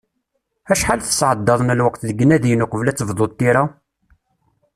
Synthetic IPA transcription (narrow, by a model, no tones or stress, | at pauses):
æʃħalθə̥sʕəd̪ːɑðˤnəlwəqθðəɡːənːæðjənʊqəvlæt͡sːəvðˤod̪̚ˤt̪ːiɾa